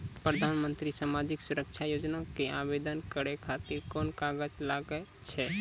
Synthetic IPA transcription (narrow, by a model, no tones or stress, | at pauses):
pɾəd̪ʱanmənt̪ɾisamad͡ʒiksuɾək̚t͡ʃʰajod͡ʒnakeabed̪ənkəɾekʰat̪iɾkɔnkaɡəd͡ʒlaɡə | t͡ʃʰɛ